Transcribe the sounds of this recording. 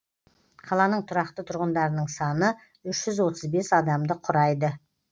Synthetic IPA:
qʰɑlˠɑnəɴt̪ʰʊɾɑq̚t̪ət̪ʰʊɾʁənd̪ɑɾənəɴsɑnə | ʏʃʒ̥ʏzwo̞t̪əzbe̞sɑd̪ɑmd̪əqʰʊɾɑjd̪ə

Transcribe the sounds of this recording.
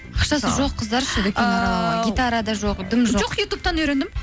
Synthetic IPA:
ɑqʃɑsəʒo̞qʰːəzd̪ɑɾʃɪd̪ɪkʲenɑɑɑɡʲit̪aɾad̪ɑʒoqd̪ɪmʒoʒoqjut̪up̚t̪ɑnɵjɾend̪ɪm

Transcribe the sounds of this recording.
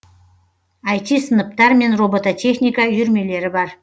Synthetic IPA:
ɑjt̪isənəp̚t̪ɑɾme̞nrobot̪at̪ʲʰe̞χnʲijkajʏɾme̞le̞ɾɪbɑɾ

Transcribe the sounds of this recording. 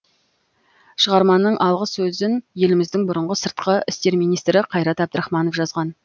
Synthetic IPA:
ʃəʁɑɾmɑnːəɴʔɑlˠʁəsɵzɪnje̞lɪmɪzd̪ɪŋbʊɾəɴʁəsəɾt̪̚qəɪst̪e̞ɾmijnijst̪ɾɪqʰɑjɾɑt̪ɑb̚d̪əɾɑχmɑnofʒɑzʁɑn

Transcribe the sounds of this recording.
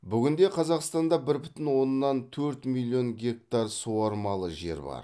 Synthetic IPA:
bʏɡʲɪnd̪e̞qʰɑzɑqst̪ɑnd̪ɑbɪɾbɪt̪ɪnwo̞nːɑnt̪ʰɵɾt̪milʲˠːijo̞nɡʲe̞k̚t̪ɑrsuwɑɾmɑlˠəʒe̞̰ɾbɑ̰ɾ

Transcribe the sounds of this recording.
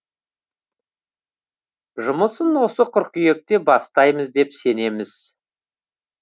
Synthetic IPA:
ʒʊməsənwo̞səqʰʊɾqʲkʲʰʏje̞k̚t̪e̞bɑst̪ɑjməzd̪e̞pse̞ne̞mɪz̥

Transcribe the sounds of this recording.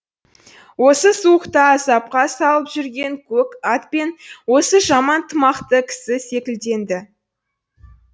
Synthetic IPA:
wo̞səsuəqt̪ɑzɑp̚qɑsɑlˠəpʒʏɾɡʲe̞ŋkʲʰɵkɑt̪̚pe̞nwo̞səʒɑmɑnt̪ʰəmɑqt̪əkʲʰɪ̥sɪse̞kʲɪld̪e̞nd̪ɪ

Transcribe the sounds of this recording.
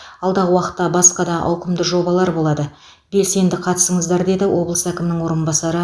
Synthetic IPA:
ɑlˠd̪ɑʁəwɑqə̥t̪ːɑbɑsqɑd̪ɑʔɑ̰wqəmd̪əʒo̞bɑlˠɑɾbo̞lˠɑd̪ə | be̞lse̞nd̪ɪqʰɑt̪ə̥səɴəzd̪ɑɾd̪e̞d̪ɪwo̞blˠə̥sækʲɪmɪnɪŋwo̞ɾənbɑsɑɾə

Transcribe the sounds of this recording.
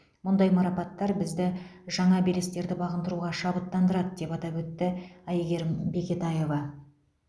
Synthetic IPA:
mʊnd̪ɑjmɑɾɑpɑt̪ːɑɾbɪzd̪ɪʒɑɴɑbelɪst̪e̞ɾd̪ɪbɑʁənd̪əɾuʁɑʃɑbət̪ːɑnd̪əɾɑd̪əd̪e̞pɑt̪ɑpwɵt̪ːɪæjɡʲe̞ɾmbe̞kʲe̞t̪ɑje̞vɑ

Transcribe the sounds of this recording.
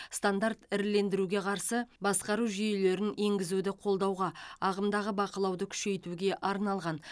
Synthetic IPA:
st̪and̪art̪ɪɾle̞nd̪ɪɾuɡʲe̞qʰɑɾsəbɑsqɑɾuʒijele̞ɾɪne̞ŋɡʲɪzud̪ɪqʰo̞lˠd̪ɑwʁɑɑʁəmd̪ɑʁəbɑqəlˠɑwd̪əkʲʰʏ̥ʃe̞jt̪uɡʲe̞ʔɑɾnɑlˠʁɑn

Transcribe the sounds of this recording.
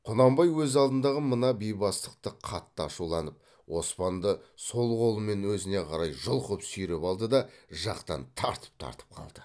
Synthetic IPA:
qʰʊnɑmbɑjwɵzɑlˠd̪ənd̪ɑʁəmənɑbejbɑst̪əqt̪əqʰɑt̪ːəɑʃulˠɑnəp̚ | wo̞spɑnd̪əsso̞lˠʁo̞lˠəme̞nwɵzɪne̞qʰɑɾɑjʒəlˠqʰʊpsʏjɾepɑlˠd̪əd̪ɑʒɑqt̪ɑnt̪ʰɑ̰ɾt̪ə̥p̚t̪ʰɑ̰ɾt̪ə̥p̚qʰɑ̰lˠd̪̥ə

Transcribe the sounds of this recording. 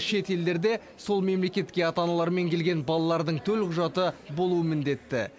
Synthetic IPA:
ʃe̞t̪e̞ld̪e̞ɾd̪e̞ | so̞lˠme̞mle̞kʲe̞t̪kʲe̞ɑt̪ɑnɑlˠɑɾme̞ŋkʲʰe̞lɡʲe̞nbɑlˠɑlˠɑɾd̪əɴt̪ʰɵlqʰʊʒɑt̪əbo̞lˠuəmɪnd̪e̞t̪ːɪ̰

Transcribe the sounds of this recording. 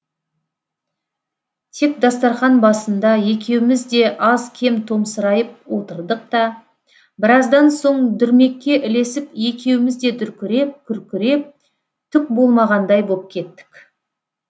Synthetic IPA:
t̪ʰe̞kd̪ɑst̪ɑɾχɑnbɑsənd̪ɑje̞k̬ʲe̞wɪmɪzd̪e̞ʔɑzkʲʰe̞mt̪ʰo̞msəɾɑjəp̚wo̞t̪əɾd̪əq̚t̪ɑ | bɪɾɑzd̪ɑnso̞ɴd̪ʏɾme̞kʲːe̞ʔɪle̞sɪpje̞kʲe̞wɪmɪzd̪e̞d̪ʏɾkʲɪɾe̞p̚kʲʰʏɾkʲɪɾe̞p̚ | t̪ʰʏk̚bo̞lˠmɑʁɑnd̪ɑjbop̚kʲʰe̞t̪ːɪ̥kʲ

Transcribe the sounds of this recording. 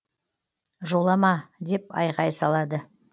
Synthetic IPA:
ʒo̞lˠɑmɑd̪e̞pɑ̰jʁɑjsɑlˠɑd̪ə

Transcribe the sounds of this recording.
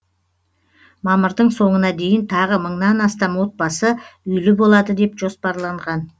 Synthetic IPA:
mɑməɾd̪əɴso̞ɴənɑd̪e̞jɪnt̪ʰɑʁəməɴnɑnɑst̪ɑmwo̞t̪̚bɑsəʏjlɪbo̞lˠɑd̪əd̪e̞pʒo̞spɑɾlˠɑɴʁɑn

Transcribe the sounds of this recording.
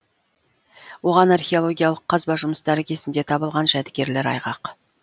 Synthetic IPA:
wo̞ʁɑnarχʲeo̞lˠo̞ɡʲijalˠəqʰːɑzbɑʒʊməsd̪æɾekʲe̞sɪnd̪e̞t̪ʰɑbəlˠʁɑnʒæd̪ɪɡʲe̞ɾle̞ɾɑ̰jʁɑq

